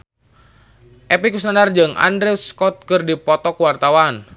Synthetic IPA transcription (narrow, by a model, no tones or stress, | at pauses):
ʔɛpikusnanard͡ʒɨŋa̰ndɾɛuskɔt̪̚kɨrdipɔt̪ɔkuwart̪awan